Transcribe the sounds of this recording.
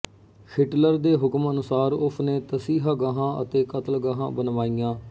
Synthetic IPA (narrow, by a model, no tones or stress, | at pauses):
kʰɪʈləɾd̪eːɦʊkmənʊsaːɾʊpʰneːt̪əsiːɦaːɡaːɦãːʔə̰t̪eːkət̪əlɡaːɦã̰ːbənʋaːijãː